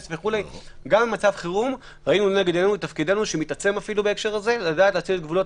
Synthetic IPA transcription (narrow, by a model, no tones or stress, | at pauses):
sveχulejɡambmat͡savχiʁum | ʁainuneɡed̪eenulet̪afkid̪enuʃemit̪at͡se̞mafilubeekʃe̞ʁaze̞ladaːtleaːt͡sidet̪ɡvulo̞t